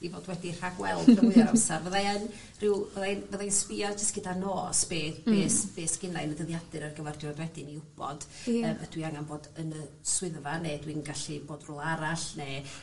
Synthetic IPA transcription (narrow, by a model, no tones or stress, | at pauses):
ivoːdwɛdir̥haɡwɛlˠəwɨðaɾamsarvəðaɛn | rɪwvəðaɛnvəðajnsvɪɔd͡ʒəstɡ̥ɪdanoːsb̥eːbeːsv̥eːsɡ̥ɪnajnədəðjadɨɾərɡəvɛrdjɔdwɛdɪniʊb̥ɔ̰d̥əːməd̥wiaŋanboːdənə | swɪðvaneːdwinɡaɬiboːdrʊlˠaɾaɬneː